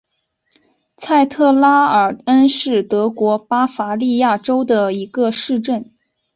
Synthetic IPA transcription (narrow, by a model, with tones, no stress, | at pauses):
t͡sʰa˥˧ɪt̪ʰɤ˥˩la˥ə˞˨˩ə˥nʂɻ̩˥˩t̪ɤ˧˥kwɔ˧˥pa˥fa˧˥li˥˧ja˥˩ʈ͡ʂo˥ʊd̪ə˨˩i˧˥ɡə˧ʂɻ̩˥˧ʈ͡ʂə˥˩n